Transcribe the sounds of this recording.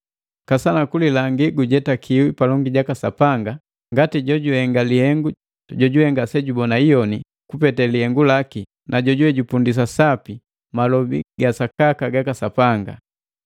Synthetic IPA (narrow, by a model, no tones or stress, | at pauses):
kasanakulilaŋɡiɡuɟɛtakʰiwipalɔŋɡiɟakasapaŋɡa | ŋɡatiɟɔɟuhɛŋɡalihɛŋɡu | ɟɔɟuhɛŋɡasɛɟubɔnaijɔni | kupɛtɛlihɛŋɡulaki | naɟɔɟuwɛɟupundis̬asapi | malɔbḭɡasakakaɡakasapaŋɡa̰